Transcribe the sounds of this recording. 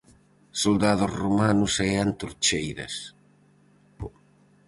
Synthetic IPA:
sold̪aðʊzromanʊsɛant̪uɾt͡ʃejðɐ̰s

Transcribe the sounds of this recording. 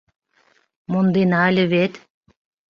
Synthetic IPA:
mond̪enɑlʲə̆βet̪

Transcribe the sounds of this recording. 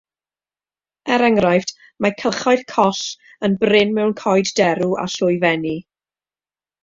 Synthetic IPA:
ɛɾɛŋrajfd̥ | makʰəχaɨθkʰɔɬ | ənbrɪnmɛwnkʰɔjddɛɾua̰ɬʊjvɛni

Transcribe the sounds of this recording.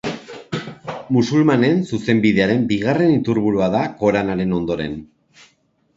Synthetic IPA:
musulmane̞nsuse̞mbið̞e̞aɾe̞mbiɣare̞nit̪uɾβuɾuaðako̞ɾanaɾe̞no̞nd̪o̞ɾe̞̰n

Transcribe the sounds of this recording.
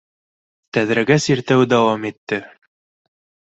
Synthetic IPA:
t̪æðɾæɡæsiɾt̪æwd̪æwɑmit̪ːɘ

